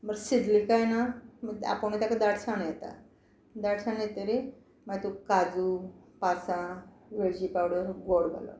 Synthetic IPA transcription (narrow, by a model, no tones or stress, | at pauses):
məɡsid̪likajnaməa̰pəɳit̪jakad̪aɽsanjɛt̪a̰ | d̪aɽsanjet̪əɾi | mat̪ukad͡zupasã | ʋeɭd͡ʑipawɽəɡoɽɡa̰lɔ̰